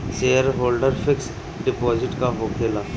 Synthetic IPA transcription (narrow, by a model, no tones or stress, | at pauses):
seːəɾɦoːlɖəɾfʰɪks | ɖɪpɔːd͡ʒɪʈkaɦoːkʰeːlaː